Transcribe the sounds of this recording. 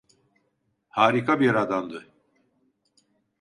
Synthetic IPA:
haːɾikʰabiɾad̪and̪ɯ

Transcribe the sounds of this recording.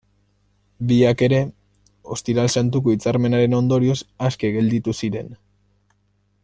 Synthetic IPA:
biake̞ɾe̞ | o̞st̪iɾalsant̪̬ukoit͡saɾme̞naɾe̞no̞nd̪o̞ɾio̞saske̞ɣe̞ld̪it̪usiɾe̞n

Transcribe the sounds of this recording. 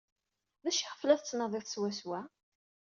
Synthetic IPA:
ðæʃiʁəflæθt͡sːnəðˤiθswæswæ

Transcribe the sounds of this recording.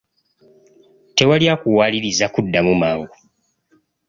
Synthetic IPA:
te̞waljaːkuwaːliɾizakudːamumaːŋɡu

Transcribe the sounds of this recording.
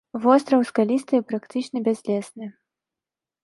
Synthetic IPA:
vɔst̪ɾɐwskalʲist̪ɨpɾakt̪ɨt͡ʂnɐbʲɛzʲlʲɛsnɨ

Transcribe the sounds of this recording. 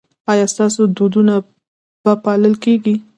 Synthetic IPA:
ɑjɑst̪ɑsod̪od̪una | b̥apɑləlkeɡi

